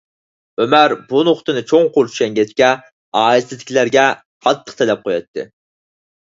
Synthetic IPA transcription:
ømæɾbunoχt̪ɨnɨt͡ʃʰoŋqolˠt͡ʃʰy̥ʃɛŋɡʲɛt͡ʃ̪kʲɛ | ɑːisɪd̪ɪ̥kʲilæɾɡʲɛ | qʰɑt̪ːə̥qt̪ʰelɛp̚qʰojɑ̰t̪ʰːɨ̰

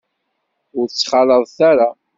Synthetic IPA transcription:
ʊɾt͡sːχɑləðˤθæɾa

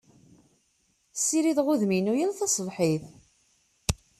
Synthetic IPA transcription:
sːiɾiðʁʊðminujælθɑsˤlħið

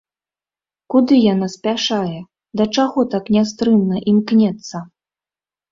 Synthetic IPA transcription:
kud̪ɨjanasʲpʲaʂajɛ | d̪ɐt͡ʂaɣɔt̪aknʲast̪ɾɨmnɐʔimknʲɛt̪sːɐ

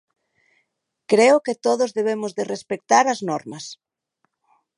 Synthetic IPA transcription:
kɾeʊkɪt̪oðʊzðeβ̞emʊzðɪrespek̚t̪aɾɐznɔɾmɐs

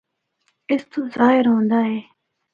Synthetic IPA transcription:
ɪst̪ʰozaːɪɾɦõːnd̪aːɦeː

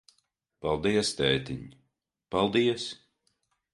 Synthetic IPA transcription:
palˠd̪iɛst̪ɛːt̪iɲ | palˠd̪iɛs

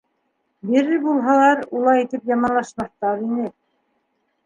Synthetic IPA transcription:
biɾɘbulˠɦɑlˠɑɾulˠɑit̪ɘpjɑmɑnlˠɑʃmɑθt̪ɑɾinɘ

